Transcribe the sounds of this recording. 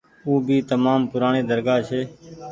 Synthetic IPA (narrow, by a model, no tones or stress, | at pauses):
uːbʱiːt̪əmaːmpʊɾaːɳeːd̪əɾɡaːt͡ʃʰeː